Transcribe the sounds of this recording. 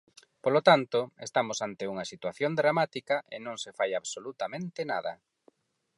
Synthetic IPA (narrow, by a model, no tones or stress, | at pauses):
polot̪ant̪oḛst̪amosant̪euŋɐsit̪waθjond̪ɾamat̪ikɐʔenõŋsefajaβsolut̪amẽnt̪ɪnaðɐ